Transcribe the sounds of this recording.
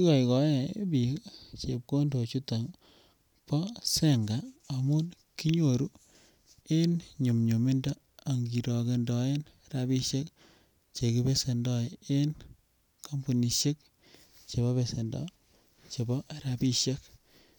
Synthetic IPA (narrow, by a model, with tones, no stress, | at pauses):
i˦kɔ˨jkɔ˨˦e˦˨bi˨t͡ʃe˨p̚ko˦ndo˨t͡ʃu˦ta˨ŋ | pɔ˦se˦ŋɡa˨a˨mʊ˦n | ki˦ɲo˨ɾu˦ | e˦nɲu˨mɲo˨mi˦nda˦ | a˨ŋɡi˨ɾɔ˨ke˨ndɔ˨e˦n | ɾa˨bi˦ʃe˦k | t͡ʃe˨kibe˦se˨ndɔ˦e˦n | ka˦mbu˨ni˨ʃe˦k̚ | t͡ʃe˨bɔ˦be˨se˨ndɔ̰˨ | t͡ʃe˨bɔ˦ɾa˨pi˦ʃe˦k̚